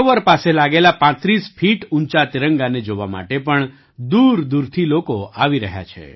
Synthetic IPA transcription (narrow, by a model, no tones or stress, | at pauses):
ʋəɾpaselaɡelapãt̪ɾisfʰiʈunt͡ʃat̪iɾəŋɡaned͡ʒoʋa̰ma̰ʈepəɳ | d̪uɾd̪uɾt̪ʰilokoaʋiɾəɦja̰t͡ʃʰḛ